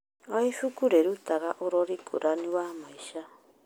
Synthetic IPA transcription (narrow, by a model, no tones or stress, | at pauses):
aiʃukuɾeɾut̪aɣaʔuɾoɾikʰuɾaniwamaiʃa